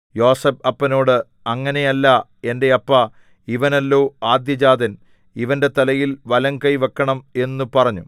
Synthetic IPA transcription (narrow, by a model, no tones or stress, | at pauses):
jo̞ːsɐbɐpːɐno̞ːɽɨ | ɐŋːɐne̞jɐlːɐe̞nde̞ɐpːɐ | iʋɐnɐlːo̞ːaːd̪jɐd͡ʑaːd̪ɐn | iʋɐnde̞t̪ɐlɐjilʋɐlɐŋkɐjʋɐkːɐɳɐme̞nːupɐrɐɲːu